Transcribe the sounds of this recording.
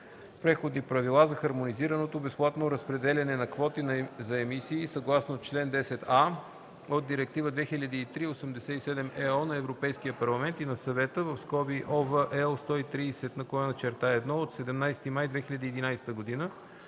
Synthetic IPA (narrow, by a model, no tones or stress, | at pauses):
pɾɛxod̪nipɾɐvilˠazɐxɐɾmoniziɾɐnot̪obɛsplˠat̪noɾəspɾɛd̪ɛlʲɐnɛnɐkvɔt̪inzɐɛmisiːsɐɡlˠasnot͡ʃlɛnd̪ɛsɛt̪a | od̪̚d̪iɾɛk̚t̪ivəd̪vɛxilʲəd̪iːt̪ɾiosəmd̪ɛsɛt̪isɛd̪ɛmɛɔnɐɛvɾopɛjskijəpɐɾlˠɐmɛnt̪inɐsɐvɛt̪əvəfskɔbiʔɔvəʔɛlˠst̪ɔit̪ɾiːsɛt̪nɐkoanət͡ʃɛɾt̪aɛd̪nɔot̪sɛd̪ɛmnajsɛt̪imajd̪vɛxilʲɐd̪iːd̪inajsɛ̥t̪əɡod̪inə